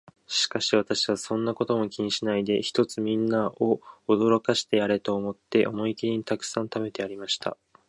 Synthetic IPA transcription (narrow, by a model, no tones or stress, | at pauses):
ɕi̥kaɕiβat̪aɕiβ̞asõ̞nːako̞t̪o̞mo̞kʲiɲ̟iɕinaid̪e̞çi̥t̪o̞t͡sɨmʲĩnːao̞ːd̪o̞ɾo̞kaɕi̥t̪e̞jaɾe̞t̪o̞ːmo̞t̪ːe̞ʔo̞mo̞ikʲiɲ̟it̪akɯ̟̥sãnt̪ame̞t̪e̞aɾʲimaɕi̥t̪ʰa̰